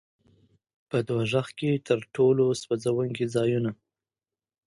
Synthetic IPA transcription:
pəd̪waʒaxket̪ʰəɾʈoloswazawuŋɡid͡zɑjuna

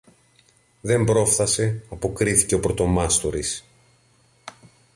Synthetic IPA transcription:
ðe̞mbɾo̞fθɐse̞ɐpokɾiθi̥ce̞o̞pɾo̞t̪o̞mɐst̪oɾis

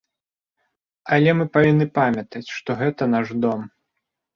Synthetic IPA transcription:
ɐlʲɛmɨpavʲinːɨpamʲɐt̪ɐt͡sʲʂt̪ɔɣɛt̪ɐn̪aʐd̪ɔm

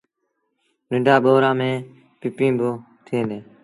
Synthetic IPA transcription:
nɪ̃ɳɖaːɓoːɾãːmẽː | pɪpĩːbʊ | t̪ʰĩːneː

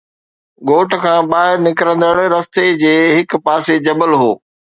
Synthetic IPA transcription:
ɠoːʈkʰãːɓaːɦɪɾnɪkɾə̃nd̪əɽɾɐst̪ed͡ʑeːɦɪk̆paːsed͡ʑɐbəlɦoː

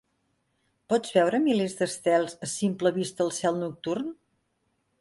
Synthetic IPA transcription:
pɔd͡zβɛwɾəmilezd̪əst̪ɛlˠzəsimpləβist̪əːlˠsɛlˠnuk̚t̪urn

